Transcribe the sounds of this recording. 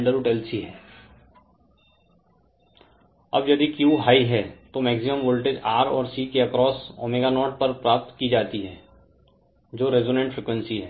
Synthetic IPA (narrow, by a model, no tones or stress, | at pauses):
ɳɖəɾʊʈɛːlsiɦɛː | ɐ̰bjɐd̪ikjuːɦaːiɦɛt̪omɛːɡsɪmə̃mʋoːlʈed͡ʒaːɾɔ̰ːɾsiːkeɐkɾɔːsɔ̰ːmeːɡanɔːɾʈ̚pɐɾpɾaːp̚t̪kid͡ʒaːt̪iɦɛː | d͡ʒoːɾezoːnẽɳʈfɾeːkwə̃nsiɦɛː